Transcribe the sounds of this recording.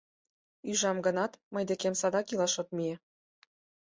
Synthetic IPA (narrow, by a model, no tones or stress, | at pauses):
yʒɑmɡənɑt̪məjd̪ekemsɑd̪ɑkilɑʃot̪̚mije